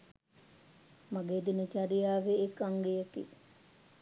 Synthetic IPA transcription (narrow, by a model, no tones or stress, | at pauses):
maɡeːd̪init͡ʃaɾijaːʋeːkaŋɡejəkḭ